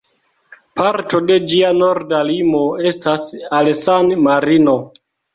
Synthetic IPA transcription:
paɾto̞de̞d͡ʒiano̞ɾdalimo̞e̞stasalsanmaɾino̞

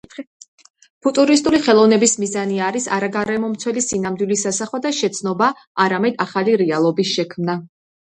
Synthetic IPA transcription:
pʰut̪ʼuɾist̪ʼuliχɛlˠɔvnɛbismizaniaɾisa̰ɾaɡaɾɛmɔmt̪sʰwɛlisinamd̪wilisasaχwad̪aʃɛt̪sʰnɔba | aɾamɛd̪aχaliɾɛalˠɔbisʃɛkʰmna

